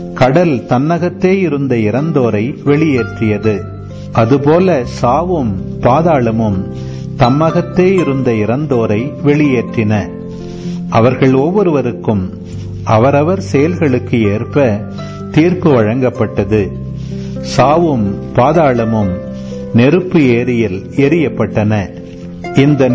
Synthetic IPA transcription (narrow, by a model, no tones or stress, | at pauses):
kɐɽɐlt̪ɐnːɐɣɐt̪ːeːɪɾɯnd̪ɐɪɾɐnd̪oːɾɐɪʋɛɭɪjeːʈrɪjɐðɯ | ʔɐðɯpoːlɐsaːʋɯmpaːðaːɭɐmɯm | t̪ɐmːɐɣɐt̪ːeːɪɾɯnd̪ɐɪɾɐnd̪oːɾɐɪʋɛɭɪjeːʈrɪnɐ | ʔɐʋɐɾɣɐɭɔʋːɔɾɯʋɐɾɯkːɯm | ʔɐʋɐɾɐʋɐɾsɛjɐlɣɐɭɯkːɯeːrpɐ | t̪iːrpɯʋɐɻɐŋɡɐpːɐʈːɐðɯ | saːʋɯmpaːðaːɭɐmɯm | nɛɾɯpːɯeːɾɪjɪl | ɛɾɪjɐpːɐʈːɐnɐ | ɪnd̪ɐ